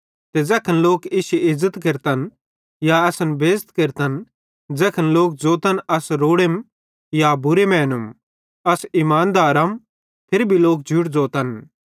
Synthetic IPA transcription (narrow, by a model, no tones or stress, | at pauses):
t̪ed͡zɛːkʰənloːkɪʃɪzːət̪keɾt̪ɐn | jaɐsənbeːst̪keɾt̪ən | d͡zɛːkʰənloːk̚d͡zoːt̪ənɐsɾoːɽem | jabʊɾemɛːnum | ɐsimaːnd̪aːɾɐm | pʰɪɾbʱiloːk̚d͡ʒʱʊʈd͡zoːt̪ən